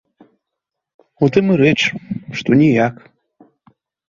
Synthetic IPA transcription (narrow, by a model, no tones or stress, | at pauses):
ut̪ʰɨmɨɾeʈ͡ʂʂt̪onʲijak